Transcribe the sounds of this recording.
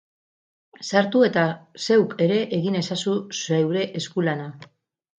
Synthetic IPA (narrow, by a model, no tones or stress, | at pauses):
saɾt̪ue̞t̪ase̞wke̞ɾe̞ʔeɣine̞sasusewɾe̞ʔeskulana